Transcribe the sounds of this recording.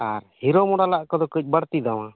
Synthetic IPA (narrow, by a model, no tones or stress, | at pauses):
aɾhiɾɔmɔɽalaʔkɔd̪ɔkəc̚ˀbəɽt̪id̪aw̃a